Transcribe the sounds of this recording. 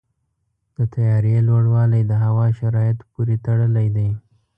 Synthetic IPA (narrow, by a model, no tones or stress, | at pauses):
d̪̥ət̪ajɑɾjelwaɽwɑlajd̪əɦawɑʃaɾɑjɪt̪puɾit̪aɽəlajd̪aj